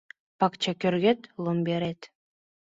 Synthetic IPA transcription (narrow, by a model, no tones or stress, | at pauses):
pakt͡ʃakʲøɾɡet̪lˠombʲeɾet̪